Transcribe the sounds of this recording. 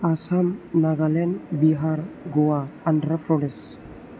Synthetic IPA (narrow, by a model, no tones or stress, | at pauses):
asamnaɡalɛnbiɦaɾɡoaandɾafɾɔɽes